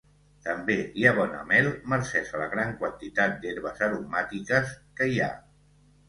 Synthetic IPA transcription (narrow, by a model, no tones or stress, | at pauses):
t̪əmbeiaβ̞ɔnə̰mɛlˠməɾsɛʃələɣɾaŋkwənt̪it̪at̪̚d̪eɾβəzəɾumat̪ikəskəia̰